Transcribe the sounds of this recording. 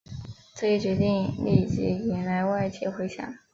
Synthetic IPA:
t͡sɤ˥˩˥t͡ɕɥɛ˧˥t̪i˥˧ŋli˥˧˩t͡ɕi˥˩jɛ˧˥nla˧˥ɪwa˥˧ɪt͡ɕʰjɛ˥˩xwe˧˥ɪɕjɑ̰˨˩˦

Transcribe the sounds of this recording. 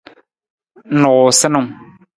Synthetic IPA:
nʊ˨sɪ˦nʊ̃˦m

